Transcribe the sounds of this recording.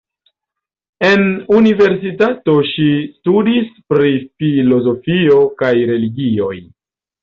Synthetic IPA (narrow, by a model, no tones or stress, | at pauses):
e̞nunive̞ɾs̬itato̞ʃistudispɾifilo̞zo̞fio̞kajɾe̞liɡio̞̰j